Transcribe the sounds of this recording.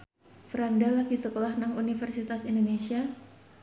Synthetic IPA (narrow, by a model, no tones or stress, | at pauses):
fɾandalakisəkolahnaŋunifərsit̪asindonesia